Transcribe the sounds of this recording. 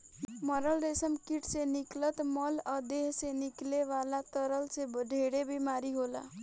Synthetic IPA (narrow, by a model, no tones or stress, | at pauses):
mɔɾəlɾesəmkiʈseniklət̪mələd̪eɦsenikleʋalat̪əɾəlsebəd̪ʱeɽebʱimaːɾiɦola̰